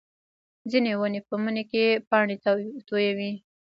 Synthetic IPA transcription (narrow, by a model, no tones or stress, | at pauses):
zinewənepəmənekepɑɳet̪at̪ojawi